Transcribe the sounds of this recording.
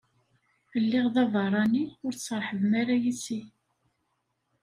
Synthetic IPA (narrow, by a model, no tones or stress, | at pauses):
əlːɪʁðɑvɑrˤɑniʊɾt͡sːəɾˤħəvmaɾajisi